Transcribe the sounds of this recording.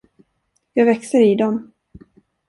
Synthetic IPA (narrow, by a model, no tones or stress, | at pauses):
jɑːɡvɛksəɾid̪ɔm